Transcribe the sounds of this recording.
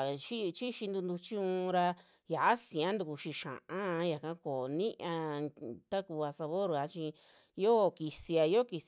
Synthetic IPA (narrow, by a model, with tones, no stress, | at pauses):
ʃi˦t͡ʃi˦ʃi˧nd̪u˧nd̪u˧t͡ʃi˦ũ˧ɾa˧ | ja˨ʔa˦sĩ˨ã˦nd̪u˧ku˧ʃi˧ʃã̰˨ʔã˦˧ja˨kã˧˦ko˨nĩ˦ʔã˧t̪a˦ku˧a˧sa˧βo˦ɾa˨˧t͡ʃi˧ | jo˦˨ki˧si˧a˧jo˦˨ki˧s